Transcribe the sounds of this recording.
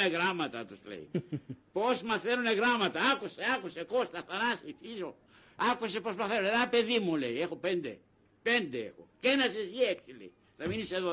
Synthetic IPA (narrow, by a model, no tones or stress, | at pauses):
eɣɾamɐt̪at̪uslḛḭpozmɐθenoneɣɾamɐt̪aakuseakusekost̪ɐθanasifiso | ɐkusepozmɐθenoneðapeðimulḛiexopend̪ḛ | pend̪eḛxo̰kenɐsesieksilḛi | θɐminiseðo